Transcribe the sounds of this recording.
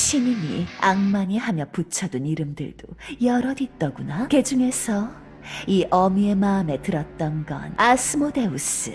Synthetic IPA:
ɕʰiɲimḭaŋmaɲihamjʌput͡ɕʰʌduniɾɯmdɯ̰ɭd̥ojʌɾʌdit͈ʌɡunake̞d͡ʑuŋe̞sʰʌ | iʔʌmie̞maɯme̞tɯɾʌt̚t͈ʌnɡʌ̰nasʰɯmode̞us͈ɯ̰

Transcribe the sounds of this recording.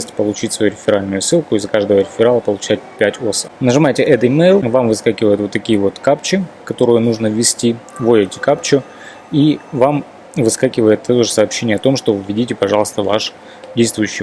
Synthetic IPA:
sʲtʲpəlˠʊt͡ɕitʲsvɐjuɾʲɪfʲɪɾalʲnʊjʊsɨlˠkʊɪzːəkaʐd̪əvəɾʲɪfʲɪɾalˠəpəlˠʊt͡ɕæt̚ʲpʲætʲosə̥nəʐɨmajtʲɪʔɛt̪əɪmejlˠvamvɨskakʲɪvəjɪt̪vot̪ːɐkʲijəvo̞t̪kap̚t͡ɕɪkɐt̪o̞ɾɨjʊnuʐnəvʲːɪsʲtʲivojɪtʲɪ̥kapt͡ɕʊ | ivam | vɨskakʲɪvəjɪt̪ːt̪oʐɨsɐːpɕːenʲɪjəɐt̪o̞mʂt̪ovʲɪdʲitʲɪpɐʐɑlˠəst̪əva̰ʂ | dʲejst̪vʊjʉɕːɪj

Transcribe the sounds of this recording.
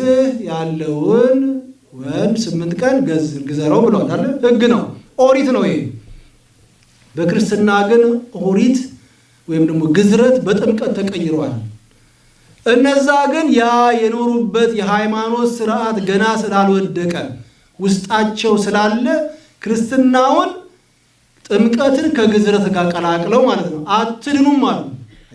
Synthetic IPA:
ɨhjalːəwʊn | wɔjmsɨmːɨnt̪kʼənɡɡɨzəɾəwbɨləwalalːəhɨɡːɨnəwʔoɾit̪nəwe | bəkɨɾɨst̪ɨnːaɡɨnʔoɾit̪ | wɔjɪmd̪əɡmo̞ɡɨzɾət̪bət̪ʼɨmkʼət̪ʰːəkʼəjːɪɾwal | ʔɨnːəzːaɡɨnjajɛno̞ɾubːət̪jɛɦajmano̞t̪sɨɾʔat̪ɡənasɨlalwɔd̪ːəkʼəm | wʊst̪ʼat͡ʃːɛwsɨlalːə | kʰɨɾɨst̪ɨnːawʊn | t̪ʼɨmkʼət̪ʰɨnkʰəɡɨzɾət̪ɡakʼːəlakʼləwmalət̪nəwat̪ʰːɨd̪ɨnumːalət̪n

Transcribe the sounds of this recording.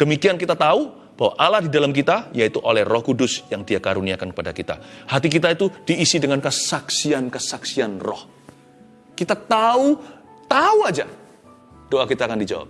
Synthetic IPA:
d̥əmikiankit̪at̪au | b̥awaʔalahdidalamk̬it̪ajait̪uʔolɛhrɔhkudʊsjaŋdiakaɾuniakankə̥padakit̪a̰hat̪ik̬it̪ait̪ud̥iːsidəŋankəsaksiankəsaksianrɔ̰h | kit̪at̪au | t̪auad͡ʒa | d̥oakit̪aːkandid͡ʒa̰wa̰p̚

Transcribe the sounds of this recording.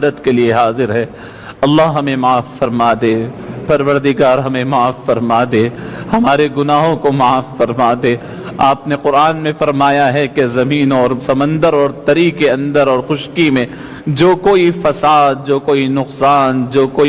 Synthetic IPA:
d̪ət̪kelieɦaːzɪɾɦɛː | ɐlːaɦɦɐmẽmaːfːɐɾmaːd̪ẽːpɐɾʋəɾd̪ɪɡaːɾɦɐmẽmaːfːɐɾmaːd̪ẽːhɐmaːɾeɡʊnaːɦõkomaːfːɐɾmaːd̪ẽː | aːpneqʊɾaːnmẽfɐɾmaːjaɦɛkezɐmiːnɔːɾsɐmə̃nd̪əɾɔːɾt̪ɐɾiːkeɐ̃nd̪əɾɔːɾxʊʃkimẽ | d͡ʒoːkoːifɐsaːd̪̚d͡ʒoːkoːinʊqsaːnd͡ʒoːkoːi

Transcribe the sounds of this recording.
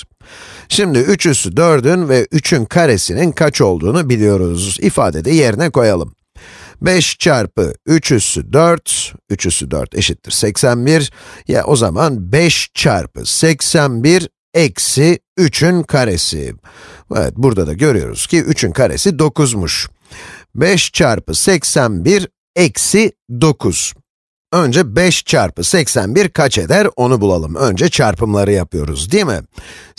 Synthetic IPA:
ʃimd̪iyt͡ʃʰysyd̪øɾd̪ynvɛʔyt͡ʃʰynkʰaɾesininkʰat͡ʃo̞lˠd̪uːnubilʲijo̞ɾuzifa̰ːd̪ed̪ɛje̞ɾinɛko̞jalˠɯm | bɛʃt͡ʃʰaɾpɯ̰yt͡ʃʰysyd̪øɾt̪yt͡ʃʰysyd̪ø̰ɾt̪ʰeʃit̪ʰːiɾ̥sɛcsænbiɾja̰ʔo̞zamanbɛʃt͡ʃʰa̰ɾpɯ̰sɛcsænbiɾ | ɛcsiyt͡ʃʰynkʰaɾesḭ | ɛ̰vɛ̰t̪̚buɾd̪ad̪aɟø̞ɾyjo̞̰ɾṵz̥cʰiʔyt͡ʃʰynkʰaɾḛsid̪o̞kuzmuʃ | bɛʃt͡ʃʰaɾpɯsɛcsænbiɾ | ɛcsid̪o̞kʰuz̥ | ø̞nd͡ʒɛbɛʃt͡ʃʰaɾpɯsɛcsænbiɾkʰat͡ʃed̪æɾo̞nubulˠalˠɯmø̞nd͡ʒɛt͡ʃʰaɾpʰɯmlˠaɾɯjapɯjo̞ɾṵzd̪ijɛmɪ̰

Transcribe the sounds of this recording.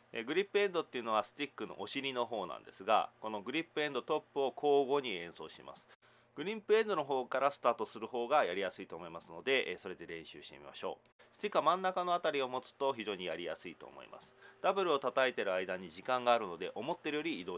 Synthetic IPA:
eɡɯ̟ɾʲipːɯ̟ẽ̞nd̪ot̪ːeiɯ̟no̞βasɨ̥t̪ʲikːɯ̟no̞̰ʔoɕiɾʲino̞ɦo̞ːnã̰nd̪e̞̰sɨɡa̰ko̞no̞ɡɯ̟ɾʲipːɯ̟ẽ̞nd̪o̞t̪o̞pːɯ̟o̞kʰo̞ːɡo̞ːɲ̟iẽ̞ɰ̃so̞ːɕima̰sɨ̥ | ɡ̥ɯ̟ɾʲĩmpɯ̟ẽ̞nd̪ono̞ɦo̞ːkaɾasɨ̥t̪aːt̪o̞sɨɾɯ̟ho̞ːɡajaɾʲijasɨit̪o̞ːmo̞imasɨno̞d̪e̞so̞ɾe̞d̪e̞ɾẽ̞ɰ̃ɕɨ̰ːɕi̥t̪e̞̰mʲḭma̰ɕo̞̰ː | sɨ̥t̪ʲikːɯamãnːakano̞at̪aɾʲio̞mo̞t͡sɨ̥t̪o̞çiʑo̞ːɲ̟ijaɾʲija̰sɨit̪o̰ːmo̞̰ḭmʔa̰sɨ̥d̪̥abɯ̟ɾɯ̟o̞t̪at̪aet̪e̞ɾɯ̟aid̪aɲ̟iʑikãŋɡaːɾɯ̟no̞d̪e̞ʔo̞mo̞t̪ːe̞ɾɯ̟jo̞ɾʲiːd̪o̞ː

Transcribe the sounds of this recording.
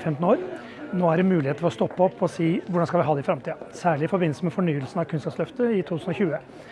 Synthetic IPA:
fɛmt̪n̩oːɾ | noːæɖɛmʉːlɪheːt̪əfɔɾɔst̪ɔpːəɔpːɔsiːʋʊɖɑnskɑlʋɪɦɑːd̪ɛɪfɾɑmt̪ʰiːɑsæːɭɪɪfɔɾbɪnsəmɛfɔɳyːəlsnɑʋkʰʉnskɑpslœft̪əɪt̪ʰuːt̪ʰʉːsn̩ɔçʉːə

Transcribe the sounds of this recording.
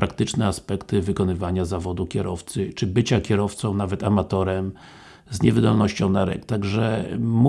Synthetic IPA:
pɾakt̪ɘt͡ʂnɛaspɛkt̪ɘvɘkɔnɘvaɲazavɔd̪ukʲɛɾʔɔft̪sɘt͡ʂɘbɘt͡ɕakʲɛɾɔft̪sɔ̃w̃navɛt̪amat̪ɔɾɛm | zɲɛvɘd̪ɔlnɔɕt͡ɕɔ̃w̃naɾɛ̰kt̪aɡʐɛmu

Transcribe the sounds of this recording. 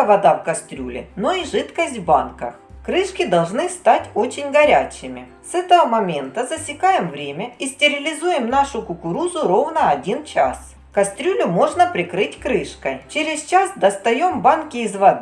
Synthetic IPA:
əvɐd̪avkɐst̪ɾʲulʲɪ̰noiʐɨt̪kəsʲtʲvba̰nkə̰x | kɾɨʂkʲɪd̪ɐlˠʐnɨst̪atʲo̞t͡ɕɪnʲɡɐɾʲæt͡ɕɪmʲɪ | sɛt̪əvəmɐmʲe̞nt̪əzəsʲɪkajɪmvɾʲemʲəisʲtʲɪɾʲɪlʲɪzujɪmnaʂʊkʊkʊɾuzʊɾo̞vnəɐdʲint͡ɕa̰s | kɐst̪ɾʲulʲʊmo̞ʐnəpɾʲɪkɾɨtʲkɾɨʂkət͡ɕeɾʲɪst͡ɕasd̪ɐst̪ɐjombankʲɪːzvɐd̪

